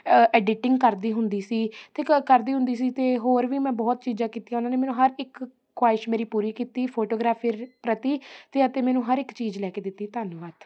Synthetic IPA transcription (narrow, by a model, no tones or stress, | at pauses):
ɛːɖɪʈɪ̃ŋɡkəɾd̪iːɦʊnd̪iːsiːt̪eːkəɾd̪iːɦʊ̃nd̪iːs̬iːt̪eːɦoːɾʋiːmɛ̃ːbɔːt̪̚t͡ʃiːd͡ʒãːkiːt̪ijaːʊnaːneːmɛːnũːɦəɾɪkːʰ | waːɪʃmeːɾiːpuːɾiːkiːt̪iːpʰoːʈoːɡɾaːpʰiɾpɾət̪iːt̪eːət̪eːmɛːnũːɦəɾɪkt͡ʃiːd͡ʒlɛːkeːd̪ɪt̪ːiːt̪aːnːʋaːt̪